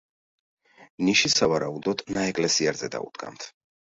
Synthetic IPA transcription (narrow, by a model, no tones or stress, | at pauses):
niʃisavaɾaud̪ɔd̪̥naɛkʼlɛsiaɾzɛd̪a̰ṵd̪̥ɡʼa̰nt̪ʰ